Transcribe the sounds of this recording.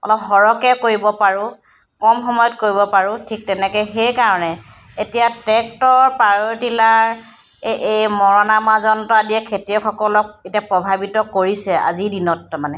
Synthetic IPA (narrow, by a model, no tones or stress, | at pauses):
ɔ̰lɔpɦɔɹɔkɛkoɹibɔpaɹʊ | kɔmxɔmɔjɔtkoɹibɔpaɹʊ̃tʰik̚tɛnɛkɛjxejkaɹɔnɛ | etijatɛk̚tɔɹpaɹotilaɹ | ʔejmɔɹɔnamazɔntadijɛkʰetiɔxʰɔkɔlɔk̚etiapɹɔbʱabitɔkoɹisɛa̰zidinɔtmanɛ